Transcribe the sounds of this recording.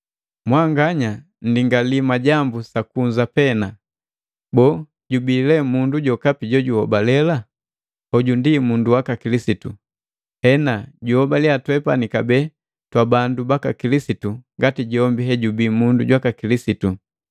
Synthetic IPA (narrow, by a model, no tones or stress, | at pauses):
mwaŋɡaɲa | n̩diŋɡalimaɟambusakuɲzapɛna | bɔː | ɟubilɛmunduɟɔkapiɟɔɟuhɔbalɛla | hɔɟundimunduwakakilisitu | hɛnaɟuhɔbaliatwɛpanikabɛ | twabandubakakilisituŋɡatiɟɔmbiɦɛɟubiːmundṵɟwakakilisitu